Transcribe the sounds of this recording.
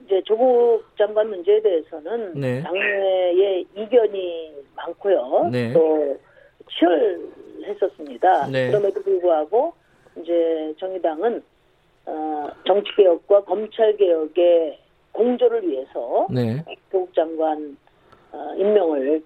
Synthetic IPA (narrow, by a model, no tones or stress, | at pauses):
ind͡ʑe̞t͡ɕoɡuk̚t͡ɕ͈aŋɡwanmund͡ʑe̞ede̞ɦesʰʌnɯntaŋnee̞iɡjʌɲimaŋkʰojont͈o | t͡ɕʰiʌɭhe̞s͈ʌs͈ɯmɲidakɯɾʌmedopoɭɡoɦaɡo | ind͡ʑe̞t͡ɕʌŋidaŋɯn | ʌt͡ɕʌŋt͡ɕʰi̥k̚k͈e̞jʌk̚k͈wakʌmt͡ɕʰaɭɡe̞jʌɡe̞ | koŋd͡ʑoɾɯɭɥiɦe̞sʰʌnetoɡuk̚t͡ɕ͈aŋɡwan | imːjʌŋɯɭ